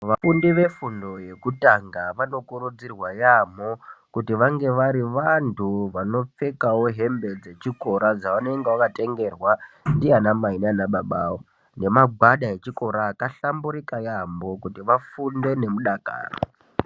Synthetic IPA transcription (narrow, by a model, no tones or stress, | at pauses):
ʋafundiʋe̞fundo̞je̞kutaŋɡaʋano̞kuɾud͡zirwajamo̞kutiʋaŋɡe̞ʋaɾiʋantʰuʋano̞p͡fe̞kawo̞ɦe̞mbe̞d͡ze̞t͡ʃiko̞ɾad͡zaane̞ŋɡewakate̞ŋɡe̞rwandianamainanaɓaɓaːwo | ne̞maɡʱwaɗae̞t͡ʃiko̞ɾaːkaɬambuɾikajambo̞kutiʋafunde̞ne̞muɗaka̰ːro